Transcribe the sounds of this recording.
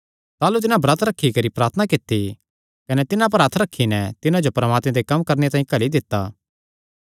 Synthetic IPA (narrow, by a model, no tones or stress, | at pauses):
t̪aːlut̪̬ɪnãbɾɐt̪ʰɾɐkʰːikɐɾipɾaːɾt̪ʰənakɪt̪ːi | kɐnɛt̪ɪnãp̬ɐɾɐt̪ʰɾɐkʰːinɛt̪ɪnãd͡ʒopɾɐmaːt̪mẽd̪ekɐmkɐɾnet̪aːĩkɐlid̪ɪt̪ːaː